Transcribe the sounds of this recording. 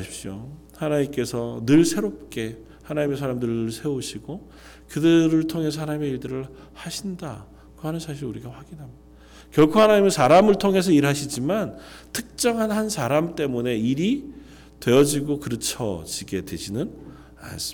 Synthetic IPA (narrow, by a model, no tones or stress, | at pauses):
ɕʰip̚ɕ͈o | hanaɲimk͈e̞sʰʌnɯɭsʰe̞ɾop̚k͈e̞ | hanaɲime̞s̬ʰaɾamdɯɾɯɭnɯɭsʰe̞oɕʰiɡo | kɯdɯɾɯɭtʰoŋe̞s̬ʰʌhanaɲime̞iɭdɯɾɯɭ | haɕʰinda̰ | koɦanɯnsʰaɕ̬ʰiɾuɾiɡaɸwaɡinɦamjid̥a | kjʌɭkʰohanaɲimɯnsʰaɾamɯɭtʰoŋɦe̞sʰʌiɾɦaɕʰid͡ʑimantʰɯk̚t͡ɕ͈ʌŋɦanhansʰaɾamt͈e̞mune̞iɾi | twe̞jʌd͡ʑiɡokɯɾɯt͡ɕʰʌ̰d͡ʑiɡe̞dwe̞̰d͡ʑinɯn | a̰n̰s͈